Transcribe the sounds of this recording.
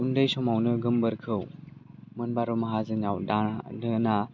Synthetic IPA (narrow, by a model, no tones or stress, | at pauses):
undɯjsɔmawnɯɡɯmbɯɾkʰɯw | mɯnbaɾumɐɦazɯnawdadɯna